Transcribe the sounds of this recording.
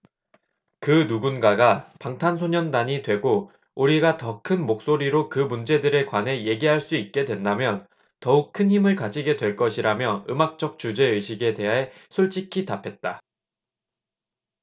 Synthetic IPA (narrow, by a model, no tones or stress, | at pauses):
kɯnuɡunɡaɡapaŋtʰansʰoɲʌndaɲidwe̞ɡo | uɾiɡatʌkʰɯnmok̚s͈oɾiɾokɯmund͡ʑe̞dɯɾe̞kwane̞je̞ɡiɦaɭs͈uit̚k͈e̞dwe̞ndamjʌn | tʌuk̚kʰɯnhimɯɭkad͡ʑiɡe̞dwe̞ɭk͈ʌɕʰiɾamjʌɯmak̚t͡ɕ͈ʌk̚t͡ɕ͈ud͡ʑe̞ɯɕʰiɡe̞de̞ɦaɦe̞sʰoɭt͡ɕ͈ikʰitapʰe̞t̚t͈a